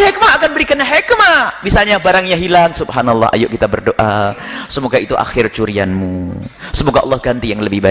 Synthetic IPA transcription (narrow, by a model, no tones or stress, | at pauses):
hek̚maːkanbəɾikanɲaɦekmamisalɲabaɾaŋɲaɦilaŋsubhanalˠːɑ̰a̰jʊʔkit̪abərdoʔasəmoɡait̪uʔa̰xɪrt͡ʃuɾianmusəmoɡaʔɑlːɑhɡant̪ijaŋləbɪhba